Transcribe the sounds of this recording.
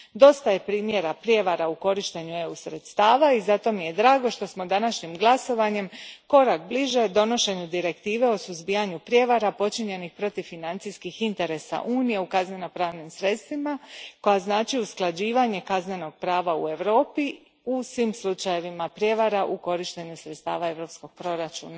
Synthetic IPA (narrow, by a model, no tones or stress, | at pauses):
d̪o̞st̪aje̞pɾiːmje̞ɾapɾje̞ʋaɾauko̞ɾiʃt̪e̞ɲue̞usɾe̞t̪st̪aːʋaizat̪o̞mije̞d̪ɾaːɡo̞ʃt̪o̞smo̞d̪anaʃɲimɡlˠaso̞ʋaɲe̞mko̞ɾak̚bliʒe̞d̪o̞no̞ʃe̞ɲud̪iɾe̞kt̪iːʋe̞o̞suzbijaɲupɾje̞ʋaɾapo̞t͡ʃiɲe̞nixpɾo̞t̪iʋfinant̪sijskixint̪e̞ɾe̞sa̰ʔuːnije̞ukazneno̞pɾaːʋnimsɾe̞t̪st̪ʋimako̞jaznaːt͡ʃiusklˠad͡ʑiːʋaɲe̞kazne̞no̞ɡ̥̚pɾaːʋaṵe̞ʋɾo̞ːpi | usʋimslˠut͡ʃaje̞ʋimapɾje̞ʋaɾaʔuko̞ɾiʃt̪e̞ɲusɾet̪st̪a̰ːʋae̞ʋɾo̞ːpsko̞ɡ̥̚pɾo̞ɾat͡ʃṵːna